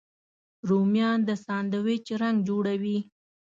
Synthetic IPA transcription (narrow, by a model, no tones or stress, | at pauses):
ɾomjɑnd̪əsɑnd̪awet͡ʃɾaŋɡd͡ʒoɽawi